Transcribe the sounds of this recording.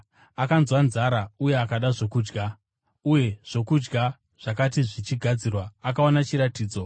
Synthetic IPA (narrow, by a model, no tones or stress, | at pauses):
akanzwanzaɾauje̞akaɗaʐo̞kuːd͡ʒɡa | uje̞ʐ̥o̞kud͡ʒɡa | ʐ̥akat̬iʐit͡ʃiɡʱad͡zirwaːk̬aonat͡ʃiɾatiːd͡zo̞